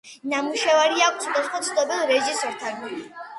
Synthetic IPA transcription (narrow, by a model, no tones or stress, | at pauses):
namuʃavaɾiak̚ʰʷt̪sʰɔd̪asχmɔt̪sʰd̪ɔbilˠɾɛʒisɔɾt̪ʰanili